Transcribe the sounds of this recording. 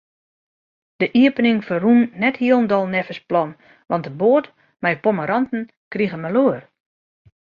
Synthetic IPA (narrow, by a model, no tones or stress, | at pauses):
d̥əʔiəpənɪŋfərunːɛthiəlˠəndɔlˠnɛfəsplɔn | ʋɑntdəboət | mɛjpoməɾɔntn̩ | kriɣəmaloər